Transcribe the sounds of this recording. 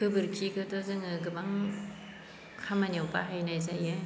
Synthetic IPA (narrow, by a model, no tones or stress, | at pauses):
kʰɯbɯɾkʰikʰɯtɔzɯŋɯɡɯmaŋ | kʰamanjawpaɦajnajzaja